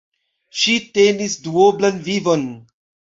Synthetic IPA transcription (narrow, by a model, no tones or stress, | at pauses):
ʃite̞nisduoblanvivo̞n